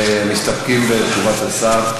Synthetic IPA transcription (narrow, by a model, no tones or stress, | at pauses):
mist̪apkimbet͡ʃuvat̪asaʁ